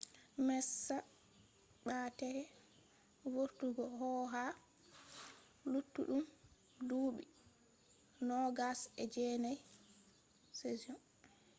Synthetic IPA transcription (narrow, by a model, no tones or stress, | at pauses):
mɛsːa | ɓatɛhɛ | voɾtuɡɔɦɔɦa | lutːṵɗum | duːɓḭ | nɔɡasɛd͡ʒɛnaj | seziɔn